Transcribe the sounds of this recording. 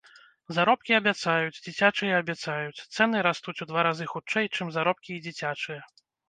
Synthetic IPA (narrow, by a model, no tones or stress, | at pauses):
zaɾɔp̚kʲiɐbʲat̪sajut͡sʲd͡zʲit͡sʲat͡ʂɨjɛːbʲat̪sajut͡sʲt̪sɛnɨɾast̪ut͡sʲud̪vaɾazɨxut͡ʂɛjt͡ʂɨmzaɾɔp̚kʲiːd͡zʲit͡sʲat͡ʂɨjɛ